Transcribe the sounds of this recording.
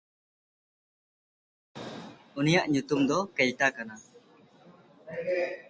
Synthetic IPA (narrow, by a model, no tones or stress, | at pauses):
unijaʔɲut̪umd̪ɔkɛʎʈakana